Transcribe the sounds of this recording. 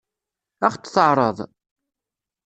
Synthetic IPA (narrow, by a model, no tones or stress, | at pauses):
æχt͡sːθəʕɾˤəðˤ